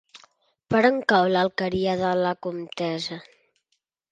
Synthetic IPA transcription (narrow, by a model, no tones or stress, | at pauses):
pəɾəŋkawlalkəɾiaðalakumt̪ɛza